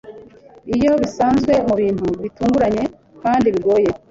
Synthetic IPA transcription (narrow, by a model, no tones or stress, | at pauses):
ijo̞βisaːnzɡwe̞muβiːn̥huβituːŋɡuɾaɲe̞ | kaːndiβiɡo̞ːje̞